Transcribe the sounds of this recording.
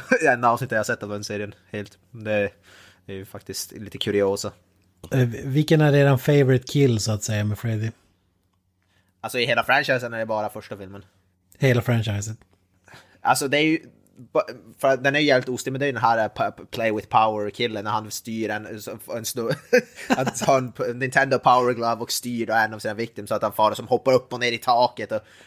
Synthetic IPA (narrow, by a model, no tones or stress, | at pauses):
ɛnd̪aɑːvsnɪt̪ːd̪jhasɛt̪ːavd̪ɛnseːɾɪənheːlt̪ | d̪ɛ | æɾjʉfakt̪ɪst̪liːt̪əkʰʉɾɪoːsa | vɪkənæɖeːɾanfeɪvəɾɪt̪kʰɪlːsɔat̪sɛjːamɛfɾɛd̪ɪ | alsɔɪɦeːlafɾanʃajsənæɖɛbɑːɾafœʂʈafɪlmən | heːlafɾɛnaɪsət̪ | a̰lsɔd̪ɛæjɵ | bfœɾat̪̚d̪ɛnæɾjʏjæːvlɪt̪ʊst̪ɪmɛnd̪ɛɾjʉd̪ɛnɦæːɾpʰpʰlejwɪðpʰaʊəɾkʰɪlːənæɾhanst̪yːɾɛnsɔɛnst̪ | hahɑːɛnʰnːɪnt̪ʰɛnd̪oʊpʰaʊəɾɡlɑvɔkst̪yːɖɔɛnːavsiːnavɪkt̪ɪmsɔat̪hɛnfɑːɾasɔmhɔpːaɾɵpːɔneːɾɪt̪ʰɑːkət̪ɔ